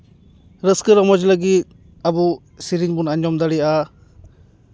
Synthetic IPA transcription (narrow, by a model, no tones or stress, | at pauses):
ɾɯskɯɾɔmɔd͡ʒlaɡit̪̚ | abu | siɾinbunaɲɔmd̪aɾia